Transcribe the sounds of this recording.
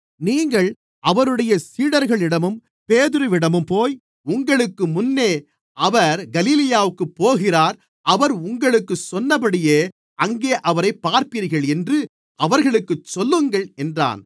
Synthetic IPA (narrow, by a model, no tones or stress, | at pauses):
niːŋɡɐɭ | ʔɐʋɐɾɯɽɐjɐsiːɽɐɾɣɐɭɪɽɐmɯm | peːðɪɾɯʋɪɽɐmɯmpoːj | ʊŋɡɐɭɯkːɯmʊnːeː | ʔɐʋɐɾɡɐliːlɪjaːʋɯkːɯpːoːɣɪraːɾ | ɐʋɐɾʊŋɡɐɭɯkːɯsɔnːɐpːɐɽɪjeː | ɐŋɡeːʔɐʋɐɾɐɪpːaːɾpɪɾɣɐɭɛndrɯ | ʔɐʋɐɾɣɐɭɯkːɯt͡ʃːɔlːɯŋɡɐɭɛndra̰ːn